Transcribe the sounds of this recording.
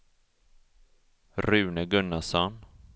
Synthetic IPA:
ɾʉ̟ːnəɡɵnːasɔn

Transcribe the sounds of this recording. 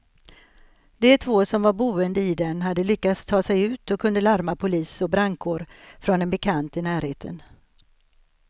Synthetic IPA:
d̪̥ɛt̪ʰvoːsɔmvaɾbuːənd̪əɪd̪ɛnɦad̪ːəlʏkːat̪st̪ʰːɑːsɛjʉ̟ːt̪ɔkʰɵnd̪əlaɾmapʰʊliːsɔbɾaŋkʰoːɾfɾɔnd̪ɛnbɛkʰant̪ɪnæːɾheːt̪ʰə̰n

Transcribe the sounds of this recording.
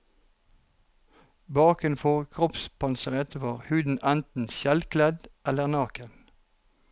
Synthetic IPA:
bɑːkənfɔʁkʰʁɔpspʰɑnsəʁɛt̪əʋɑːʁhʉːd̪n̩ænt̪n̩ʃɛlkʰlɛd̪ʔɛləʁnɑːkən

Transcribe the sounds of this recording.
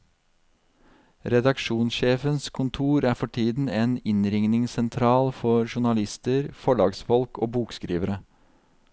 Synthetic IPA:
ɾɛd̪ɑkʃuːnsʃeːfənskʰʊnt̪ʰuːɾæːɾfɔʈʰiːd̪n̩eːnɪnɾɪŋnɪŋsɛnt̪ʰɾɑːlfɔɾʃʊɳɑlɪst̪əɾfɔɭɑːɡsfɔlko̰ːbuːkskɾḭːʋəɾə

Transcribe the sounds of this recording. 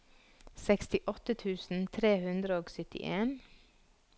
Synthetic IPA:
sɛkst̪ɪʔɔt̪ət̪ʰʉːsn̩t̪ʰɾeːhʉnd̪ɾəoːɡsʏt̪ɪ̰ʔeːn

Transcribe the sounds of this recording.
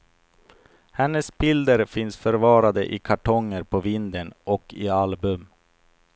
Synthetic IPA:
hɛnːəsbɪld̪əɾfɪnsfœɾvɑːɾad̪əʔɪkʰaʈʰɔŋːəɾpʰɔvɪnd̪ənɔkʰːɪalbɵm

